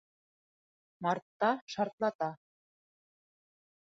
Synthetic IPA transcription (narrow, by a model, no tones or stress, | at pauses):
mɑrt̪ːɑʃɑrt̪lˠɑt̪ɑ